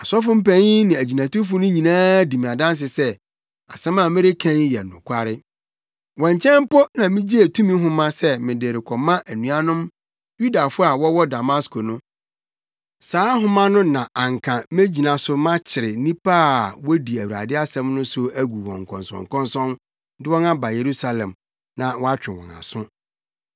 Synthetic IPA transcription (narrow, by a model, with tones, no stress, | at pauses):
a˨sɔ˦fʊ˦m̩˦pæ̃˦ɲi˦nɪ̃˨æ˨d͡ʑi˨nã˨tʊ˦fʊ˦nʊ̃˦ɲĩ˨nãː˦di˨mĩ˨ã˨dã˦n˦s̬ɪ˨sɛ˦ | a̰˨sɛ̃˦mã˨mɪ̃˦ɾɪ˦kʰã˦njɛ̰˨nʊ̰̃˨kʷʰa˦ɾɪ˦ | wɔ̃˨ɲt͡ɕʰɛ̃˦m˦pɔ˦nã˨mɪ̃˦d͡ʑi˦e˨tʰũ˦mĩ˦ɦʊ̃˦mã˦sɛ˦mɪ̃˨dɪ˨ɾɪ˨kʰɔ˨mã˦ʔæ˨nũ˨a˦nʊ̃˦m | ju˦da˨fʊ˦a˨wɔ˦wɔ˦da˨ma˦skʰo˨nʊ̃˦ | saː˨˦ɦʊ̃˦mã˦nʊ̃˦nã˨ʔã˨ŋ˨kʰã˨mẽ˦d͡ʑi˨nã˨sʊ˦mã˦t͡ɕʰɪ˨ɾɪ˨nĩ˦pʰa˦˨wɔ˦di˨æ˨wu˨ɾa̰˨dɪ˦a˦sɛ̃˦mnʊ̃˦sʊ˦æ˦ɡu˨wɔ̃˨ŋ˨kʰɔ̰̃˨nsɔ̰̃˨ŋ˨kʰɔ̃˦nsɔ̃˦n | dɪ˦wɔ̃˦nã˦ba˨je˨ɾu˦sa˨lɛ̃˨m | nã˨wɔ˦a˦t͡ɕᶣɪ˨wɔ̰̃˨na̰˨sʊ̃˦